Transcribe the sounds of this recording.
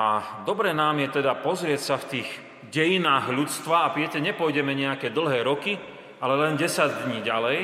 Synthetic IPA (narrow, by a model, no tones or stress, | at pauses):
a̰d̪ɔbɾɛnaːmjɛt̪ɛd̪apɔzɾɪɛcsaft̪iːɣ | ɟɛjinaːɣʎut͡st̪ʋaapɪjɛcɛɲɛpɔjɟɛmɛɲɛakɛːd̪l̩ˠɦɛːɾɔki | alɛlɛnɟɛsaɟd̪ɲiːɟalɛj